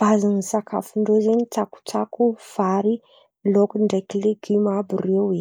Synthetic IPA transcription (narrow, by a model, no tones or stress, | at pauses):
b̥aziŋisakʰa̰fuɳɖ͡ʐozeɲit͡saku̥t͡sakufaɾi | lokuɳɖ͡ʐekileɡimabirewe